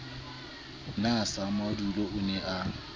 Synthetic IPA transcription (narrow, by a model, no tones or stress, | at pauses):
nasamaduloʊnɛʔa